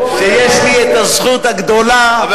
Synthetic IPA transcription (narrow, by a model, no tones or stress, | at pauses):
ʃejeʃliet̪azχut̪haɡd̪o̞la